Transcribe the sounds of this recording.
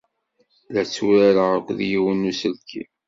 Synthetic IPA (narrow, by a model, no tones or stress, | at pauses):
læt͡sːuɾæɾəʁəkʷːðjiwənːusəlkʰḭ